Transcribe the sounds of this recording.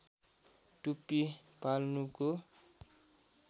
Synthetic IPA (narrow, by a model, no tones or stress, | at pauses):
ʈupipalnuko